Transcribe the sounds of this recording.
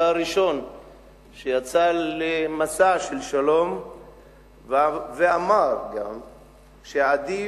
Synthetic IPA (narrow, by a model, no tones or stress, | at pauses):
aɾiʃo̞n | ʃejat͡salemasaʃelʃalo̞m | veamaɾɡam | ʃead̪i